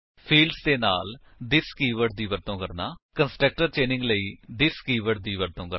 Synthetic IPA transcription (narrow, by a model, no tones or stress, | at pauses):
fʰiːɭɖst̪enaːl | d̪iskiːʋɐɖd̪iːʋɐɾt̪õːkɐɾnakɐnsʈɐk̚ʈɐɾt͡ɕeːnĩŋɡlɐid̪iskiːʋɐɖd̪iːʋɐɾt̪õːkɐ